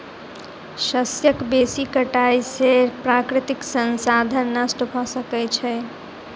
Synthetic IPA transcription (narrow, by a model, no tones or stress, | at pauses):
səsjəkbesikəʈajseɾpɾakɾit̪iksənsad̪ʱənːəsʈəbʱɔsəkɛt͡ʃʰɛ